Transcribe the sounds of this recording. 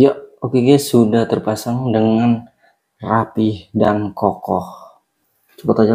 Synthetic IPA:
jaokekaasudaht̪ərpasaŋdəŋan | rapihdankokɔh | t͡ʃə̥pɔt̪ɔd͡ʒa

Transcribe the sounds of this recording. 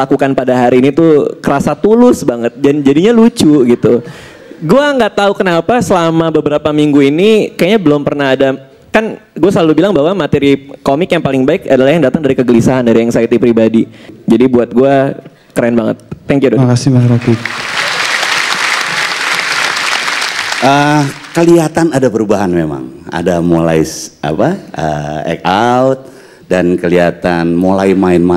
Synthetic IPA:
lakukanpadaɦaɾiːnit̪ukəɾasat̪ulʊsbaŋət̪̚d͡ʒand͡ʒadiɲalut͡ʃuɡit̪u | ɡuaŋɡaʔt̪aukənapasəlamabəbəɾapamiŋɡuinikajɲabəlʊmpərnahada | kanɡuasəlalubilaŋbaɦwamat̪ɛɾikomɪkjaŋpalɪŋbaɪkadalahjaŋdat̪aŋdaɾikəɡəlisaɦandaɾiɛŋsait̪ipɾibadid͡ʒadibuat̪̚ɡua | kəɾaɛnbaŋət̪̚ːɛŋkjuakasɪmasɾaki | əkəliat̪anadapəɾubaɦanmema̰ŋa̰damolaɪsʔa̰paəɛ̰kat̪̚ | dankəliat̪anmolaɪmaɪnma

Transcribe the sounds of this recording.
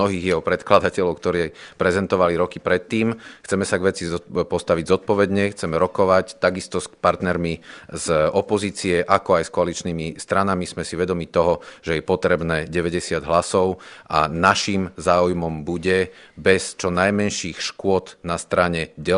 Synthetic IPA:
ɔɦiːɣjɛɦɔpɾɛt̪klad̪acɛlɔʊkt̪ɔɾɛːpɾɛzɛnt̪ɔʋaliɾɔkipɾɛt̪ːiːmxt͡sɛmɛsaɡʋɛt͡sipɔst̪aʋiɟzɔt̪̚pɔʋɛd̪ɲɛxt͡sɛmɛɾɔkɔʋact̪aɡist̪ɔspaɾt̪nɛɾmiz̥ɔpɔziːt͡siɛʔakɔajskɔalit͡ʃniːmist̪ɾanamizmɛsiʋɛd̪ɔmit̪ɔɦɔʒ̥ɛjɛpɔt̪ɾɛbnɛːɟɛʋɛɟɛsɪad̪ɦlasɔʊʔa̰naʃimzaːujmɔmbuɟɛbɛst͡ʃɔnajmɛnʃiːxʃkʊɔd̪nast̪ɾaɲɛɟɛ

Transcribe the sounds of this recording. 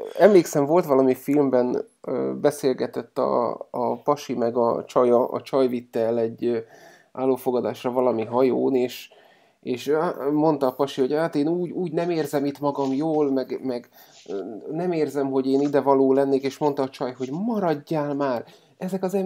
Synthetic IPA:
ɛmleːksɛɱvo̞lt̪ʋɒlɒmifilmbɛnː | bɛseːlɡɛt̪ɛt̪ːɒ̰ːpɒʃimɛɡɒ̰t͡ʃɒjɒʔɒ̰t͡ʃɒjvit̪ːɛlɛɟː | aːlːoːfoɡɒd̪aːʃrɒvɒlɒmiɦɒjoːneːʃ | eːʃmo̞n̪t̪ɒːpɒʃiho̞ɟaːt̪eːnuːɟuːɟnɛmeːrzɛmit̪mɒɡɒmjoːlmɛɡmɛɡ | nɛmeːrzɛmɦo̞ɟeːnid̪ɛvɒloːlɛnːeːkeːʃmo̞nt̪ɒːt͡ʃɒjɦo̞ɟmɒɾɒɟːaːlmaːr | ɛzɛkɒzɛ

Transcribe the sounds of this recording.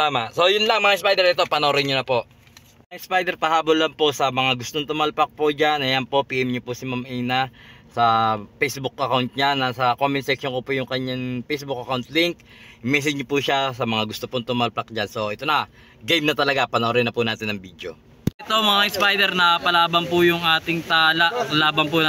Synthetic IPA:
t̪aːmaso̞jʊnlɐŋmɐŋaʔɪnspajd̪ɛɾɛt̪o̞pɐnoɾɪnɲonɐpo̞ʔ | maʔɪnspajd̪ɛɾpɐhaːbolːɐmpo̞sɐmɐŋaɡʊst̪oŋt̪ʊmalpɐk̚pod͡ʒanʔɐjɐnpo̞ʔpiːʔɛmɲopʊsɪmamɛjnasɐpejsbʊkʔɐkawnt̪̚ɲanɐsɐkomɪnsɛkʃoŋkopojʊŋkɐɲːaŋpejsbʊk̚ʔɐkawnt̪liŋk̚ | mɛs̬ɛd͡ʒɲopuʃasɐmɐŋaɡʊst̪opoŋt̪ʊmalpak̚d͡ʒanso̞ʔɛt̪onɐ | ɡɐjmnɐt̪ɐlɐɡapɐnɐoɾɪnɐpunaːt̪ɪnːɐŋbiːd̪jo̞̰ | ʔɛt̪omɐŋaʔɪnspajd̪ɛɾnɐpɐlaːbɐnpʊjʊŋʔaːt̪ɪŋt̪aːlaʔlaːbɐnpʊ

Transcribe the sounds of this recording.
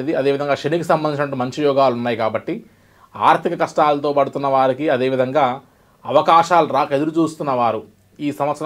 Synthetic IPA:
ed̪iɐd̪e̞ːʋid̪ɐŋɡaːʃɐnikisɐmbɐnd̪iɲt͡ʃinɐʈ̬ːuːmɐɲt͡ʃijɔːɡaːlunːaːjikaːbɐʈːi | aːɾt̪ʰikɐkɐʂʈaːlɐt̪o̞ːpɐɽut̪unːɐʋaːɾikiɐd̪e̞ːʋid̪ʱɐŋɡaː | ɐʋɐkaːʃaːluɾaːkɐe̞d̪uɾut͡ʃuːst̪unːɐʋaːɾu | iːsɐmɐt̪s

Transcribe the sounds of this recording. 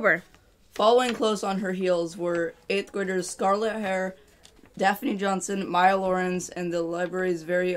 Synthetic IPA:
bə˞ | fɑlˠoʊɪ̃ŋkʰl̥oʊsn̩ə˞ɦilˠzwə˞eɪt̪θɡ̥ɹeɪɾə˞z̥skɑɹlˠət̚ɦɛɹ | d̥æfnid͡ʒɑ̃nsɨ̃nmaɪəlɔɹɨ̃nzɨ̃nðəlaɪbɹɛɹizvɛɹi

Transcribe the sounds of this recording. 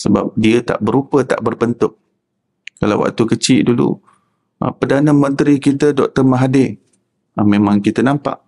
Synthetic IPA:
səba̰p̚diət̪a̰ʔbəɾupət̪a̰ʔbərbənt̪ʊk̚ | kala̰wa̰k̚t̪ukət͡ʃɪʔdulṵ | ʔə̰pədanəmənt̪ɾikit̪ədɔk̚t̪ərməɦadɪ | əmemãŋkit̪ənampa̰ʔ

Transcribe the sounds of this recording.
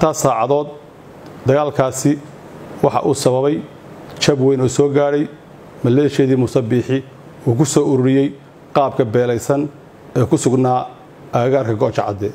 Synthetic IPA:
ɪnt̪ʰaːsaːʕɑðɔːd̪̚ | d̪ɐɣaːlkʰaːsɪ | wɑħɑ̰ʔuːsɐβɐβɛj | t͡ʃɐbwɛjnuːsɔːɡaːɽɛj | mɐlɛːʃɛːðiːmʊsɐbiːħɪ | uːkʰʊsɔːʊɾʊɽɪjɛj | qɑːb̚kʰɐbɛːlɛjsɐn | ɛːkʰʊsʊɡnaː | aːɣaːrkʰɐɡɔːt͡ʃʰɑʕɑ̰d̪ɛ

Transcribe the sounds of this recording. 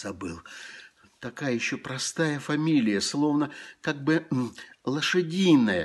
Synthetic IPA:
z̥ɐbɨlˠ | t̪ɐkajəjɪɕːo̞pɾɐst̪ajəfɐmʲilʲɪjəslˠo̞vnəkaɡ̚bɨlˠəʂɨdʲijnːəjə̰

